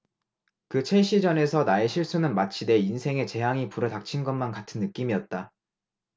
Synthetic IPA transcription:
kɯt͡ɕʰe̞ɕ͈ʰid͡ʑʌne̞sʰʌnae̞ɕʰiɭs͈unɯnmat͡ɕʰide̞insʰe̞ŋe̞t͡ɕe̞ɦaŋipuɾɯtak̚t͡ɕʰinɡʌnmankatʰɯnːɯk͈imijʌt̚t͈a

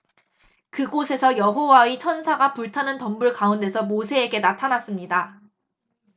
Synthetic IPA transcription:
kɯɡosʰe̞sʰʌjʌɦowait͡ɕʰʌnsʰaɡapuɭtʰanɯntʌmbuɭkaunde̞sʰʌmosʰe̞ːɡe̞natʰanas͈ɯmɲida

